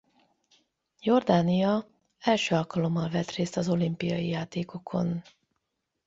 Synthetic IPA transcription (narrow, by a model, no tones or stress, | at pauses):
jo̞rd̪aːnijɒ | ɛlʃøːɒlkɒlo̞mːɒlvɛt̪reːst̪ɒzo̞limpijɒjijaːt̪eːko̞kʰo̞̰n